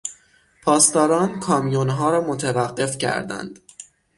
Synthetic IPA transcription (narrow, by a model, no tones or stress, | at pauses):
pʰɒːst̪ɒːɾɒːnkʰɒːmijonɦɒːɾɒːmot̪ʰevæɢːe̞fcʰæ̰ɾd̪æ̰nd̪̥